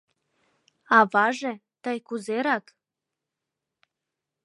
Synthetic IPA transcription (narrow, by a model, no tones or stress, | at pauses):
ɑβɑʒe | t̪əjkuzeɾɑk